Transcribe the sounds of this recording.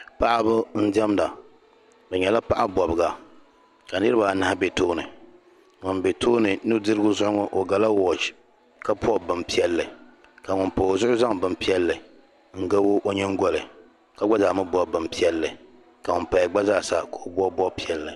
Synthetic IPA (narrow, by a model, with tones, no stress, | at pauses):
pa˦ʔa˦bɨ˦n̩˦dɛ˦mda˨ | bɛ˨ɲɛ˨la˦pa˦ʔa˦bɔ˨bɨ˨ɡa˨ | ka˨nɨ˦ɾɨ˦ba˨na˦a˦bɛ˨toː˦nɨ˨ | ŋʊ˨nbɛ˨tʰoː˦nɨ˨nɨ˦dɨ˦ɾɨ˦ɡʊ˦zʊ˦˨ʊ˦ŋɔ˦ʔo˨ɡa˨la˦wɔ˨t͡ʃ | ka˦pɔ˦bɨ˨mpi˦ɛ˦lːɨ˨ | ka˨ŋʊ˨npo˨zʊ˦ʔʊ˦za˦ŋ˨bɨ˨mpi˦ɛ˦lːɨ˨ | ŋ̩˨ɡa˦bo˦ʔo˦ɲɛ˦ŋ˦ɡɔ˦lɨ˨ | ka˦ɡ͡ba˦zaː˨mɨ˦bɔ˦˨bɨ˨mpi˦ɛ˦lːɨ˨ | ka˨ŋʊ˨npa˨jɡ͡ba˦zaː˦˨sa˨ka˨o˨bɔ˦bɔ˦pi˦ɛ˨lːɨ˨